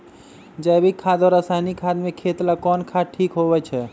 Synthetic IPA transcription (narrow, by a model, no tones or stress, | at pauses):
d͡ʒajbʱikʰad̪ɔɾasanikʰad̪mekʰet̪lakɔnkʰaʈʰikɦoβɛt͡ʃʰɛ